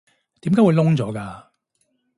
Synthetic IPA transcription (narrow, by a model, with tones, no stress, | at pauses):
t̪i˨˥mkaː˨˥wuː˨˧jlʊ˥ŋt͡sɔː˨˦˥kaː˧